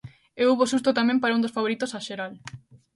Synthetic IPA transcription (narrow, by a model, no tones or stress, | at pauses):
ewuβosust̪ot̪amẽmpaɾaũnd̪osfaβoɾit̪osaʃeɾal